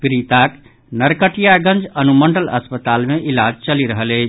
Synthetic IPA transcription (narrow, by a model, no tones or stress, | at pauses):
pɾit̪ak | nəɾkəʈijaɡə̃nd͡ʒənuməɳɖələ̰spət̪almeʔilad͡ʒt͡ʃəliɾəɦəleɪt͡ʃʰ